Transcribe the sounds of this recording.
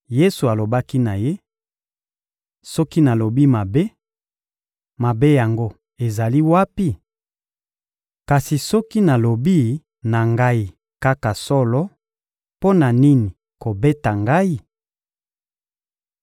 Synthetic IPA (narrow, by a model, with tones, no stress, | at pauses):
je˦su˨a˨lo˨ba˦ki˦na˨je˦ | sɔ˦ki˦na˨lo˨bi˦ma˨be˦ | ma˨be˦ja˨ŋɡo˦ | e˨za˨li˦wa˦pi˦ | ka˨si˨sɔ˦ki˦na˨lo˨bi˦ | na˨ŋɡa˦i˨ | ka˦ka˨sɔ˦lɔ˦ | po˦na˨ni˦ni˨ | ko˨be˦ta˨ŋɡa˦i˦